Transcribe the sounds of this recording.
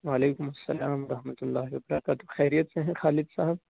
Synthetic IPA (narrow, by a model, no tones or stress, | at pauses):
waːleːkʊmɐsːɐlaːmɾɐɦmɐt̪ʊlːaːɦiwɐbɐɾaːkaːt̪oxɛːɾijɐt̪seɦɛ̃xaːlɪd̪saːɦɐb